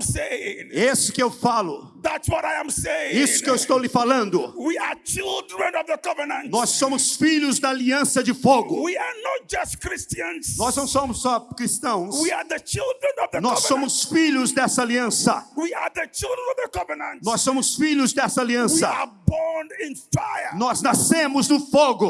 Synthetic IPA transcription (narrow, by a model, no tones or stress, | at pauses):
seɪ̃ŋesɪ̥kɪewfalʊðætswɔɾaɪjə̃mseɪ̃isʊ̥kɪewɪst̪owlɪfalɐ̃nd̪ʊwiat͡ʃilˠdɾə̃nɔvðəɡɔvənɐ̃nnɔsːõmʊsfiʎʊzd̪ɐaliɐ̃sɐd͡ʒɪfoɡʊwianɔt̚d͡ʒɐstkɾistiɐ̃nsnɔznɐ̃w̃sõmʊsːɔkɾist̪ɐ̃w̃swiaðət͡ʃilˠdɹə̃nɔvðənɔssːõmʊsfiʎʊzd̪ɛsɐaliɐ̃sɐ̰wiaðət͡ʃilˠdɹə̃nɔvðəɡʌvənə̃ntnsːõmʊsfiʎʊzd̪ɛsɐaliɐ̃swsɐabɔnɪ̃nfajənɔznasẽmʊznʊfoɡʊ